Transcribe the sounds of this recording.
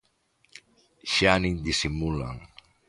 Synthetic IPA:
ʃanind̪isimula̰ŋ

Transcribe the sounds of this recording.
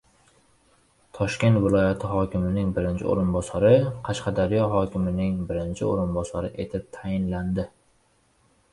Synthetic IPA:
t̪ʰɒʃkʲe̞nt̪vɪlˠɒjat̪ʰɪɦɒkʲɪmɪnɪŋbɪɾɪnt͡ʃʰɪ̰o̰ɾɪnbɒsaɾɪqʰɑʃqɑd̪aɾijɒɦɒkʲɪmɪnɪŋbɪɾɪnt͡ʃʰɪoɾɪnbɒsaɾɪʔe̞t̪ʰɪp̚t̪ʰajɪnland̪ɪ

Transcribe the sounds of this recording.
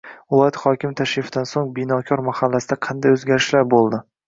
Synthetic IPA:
vɪlˠɒjat̪χɒkʲɪmt̪ʰaʃɪfɪd̪ansoŋbɪnɒkʲʰɒɾmahalːasɪd̪aqʰɑnd̪ajɵzɡʲaɾɪʃlaɾbolˠd̪ɪ

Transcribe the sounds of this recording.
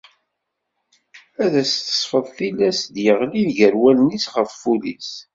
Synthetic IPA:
æðæst̪ə̥sˤfəðˤθilːæsd̪jəʁliðʝəɾwælnisʁəffulḭs

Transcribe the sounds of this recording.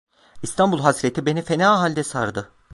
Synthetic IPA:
ist̪ʰambulˠɦasɾet̪ʰibe̞nife̞naːɦalʲd̪ɛsaɾd̪ɯ

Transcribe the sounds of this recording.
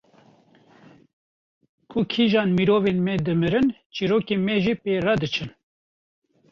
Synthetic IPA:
kʰʊkʰiʒɑːnmiɾoːveːnmɛd̪ɨmɨɾɨnt͡ʃiːɾoːkemɛʒiːpeːrad̪ɨt͡ʃʰɨn

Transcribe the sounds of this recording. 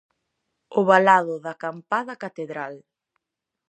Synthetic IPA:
ʊβalaðʊðɐkampaðɐkat̪eðɾal

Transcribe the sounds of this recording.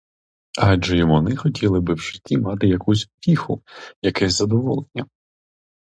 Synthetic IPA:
ɑd͡ʒɛjɔmɔnɪxɔtʲilˠɪbɪwʃɪ̥tʲːimɑt̪ɪjɐkusʲʊpʲixʊjɐkɛsʲzɐd̪ɔʋɔlˠenʲːɐ

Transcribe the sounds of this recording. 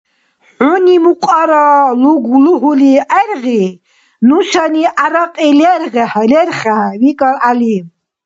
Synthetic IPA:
ħunimuqʼaɾaluɡluɦuliʔɛɾʁi | nuʃaniʔaɾaqʼilɛɾʁɛhlɛɾχavikʼaɾalim

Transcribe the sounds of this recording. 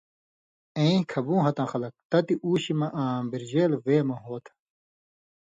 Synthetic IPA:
ẽĩkʰɐbũːɦɐt̪ãːxɐlɐk̚t̪ɐt̪iʔuːɕimɐʔãːbiɾd͡ʑeːlweːmɐ̃ɦoːt̪ʰ

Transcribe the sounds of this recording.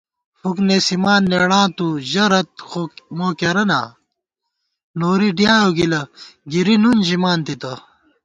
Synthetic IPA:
fukneːsimaːnːeɽãːt̪uʑɐɾɐt̪̚xomoːkeɾɐna̰ː | noːɾiɖjaːoɡilɐɡiɾinunʑimaːnt̪it̪ɐ

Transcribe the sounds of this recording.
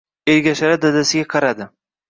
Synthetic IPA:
eɾɡʲaʃaɾad̪ad̪asɪɡʲaqʰɑɾad̪ɪ

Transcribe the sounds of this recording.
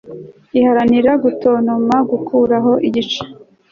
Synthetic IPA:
ihaɾaniɾaɡuto̞ːnomaɡukʰuːɾaɦo̞ʔiɟit͡ʃḁ

